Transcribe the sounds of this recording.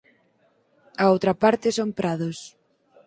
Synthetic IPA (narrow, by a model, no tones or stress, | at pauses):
aowt̪ɾɐpaɾt̪ɪsompɾaðʊs